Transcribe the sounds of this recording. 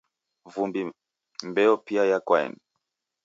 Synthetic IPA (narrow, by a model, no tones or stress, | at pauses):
vumbi | mbɛɔpiajakwaɛ̰m